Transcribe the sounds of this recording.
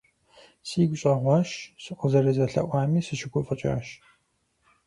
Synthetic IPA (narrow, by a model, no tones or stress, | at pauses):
siːɡʷʊɕʼɐʁʷɑːʃsɨqʷʊzɐɾɐzɐɬɐ̰ʔʷɑːmiːsɨʃɪɡʷʰʼʊfʼɨt͡ʃʼa̰ːʃ